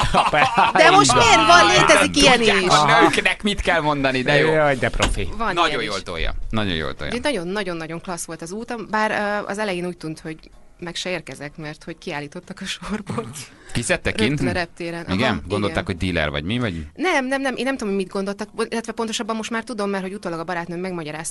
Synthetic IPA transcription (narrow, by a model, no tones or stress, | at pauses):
pɛd̪ɛmo̞ʃt̪meːɾvɒnleːt̪ɛzikiɛniʃknɛkmit̪kɛlmo̞nd̪ɒnid̪ɛjojɟd̪ɛpɾo̰fivɒnnɒɟojjoːlt̪o̰jɒ̰nɒɟo̰jo̰ːlt̪o̰j̰nɒɟo̞nːɒɟo̞nːɒɟo̞ŋklɒsʋo̞lt̪ɒzuːt̪ɒmbaːɾɒ̰zɛlɛjeːnuːc̚t̪unt̪ho̞ɟ | mɛkʃɛeːrkɛzɛkmɛrt̪ho̞ckiaːliːt̪o̞t̪ːɒkɒʃorbot̪ | kisɛt̪ːɛrkinɾɛp̚t̪eːɾɛnʔiɡɛmɡo̞nd̪ot̪akho̞ɟ̚d̪iːlɛ̰rvɒ̰ɟmivɒɟinɛmnɛmnɛmʔeːnɛmt̪uomhomid̪̚ɡo̞nd̪olt̪ɒk̪ilːɛt̪ʋɛpont̪o̞ʃɒbːɒmːo̞ʃt̪maːrt̪ud̪o̞mːɛrho̞ɟut̪oːlɒɡɒbɒɾaːt̪nømmɛɡmɒɟɒɾaːst̪